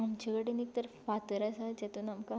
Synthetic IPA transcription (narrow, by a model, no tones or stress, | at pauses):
amt͡ɕaɡəɽenik̚t̪əɾfat̪əɾasat͡ɕat̪uːnamka